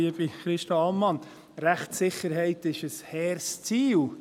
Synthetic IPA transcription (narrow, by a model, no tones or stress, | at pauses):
iəb̥iχɾɪʃtɑfɑlmɑn | ɾæχtsɪχəɾɦɛɪt̪ɪʃəshɛːɾst͡siːl